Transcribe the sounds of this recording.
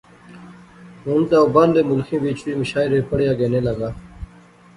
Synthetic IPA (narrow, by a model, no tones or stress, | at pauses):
ɦũːnt̪aːʊbaːnd̪eːmʊlkʰĩːʋiːt͡ʃʋiːməʃaːɪɾeːpəɽɪjaːɡeːneːləɡaː